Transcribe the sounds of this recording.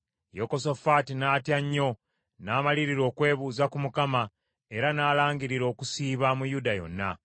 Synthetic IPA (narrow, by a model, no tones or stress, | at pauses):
joko̞so̞fatinaːtjaɲːo̞ | naːmaliɾiɾo̞ːkwe̞ːβuːzakumukama | e̞ɾanaːlaːŋɡiɾiɾo̞ːkusiːβamujudajo̞̰nːa̰